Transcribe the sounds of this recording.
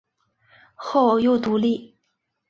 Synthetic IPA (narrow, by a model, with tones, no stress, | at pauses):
xo˥˩ʊjo˥˩ʊt̪u˧˥li˥˩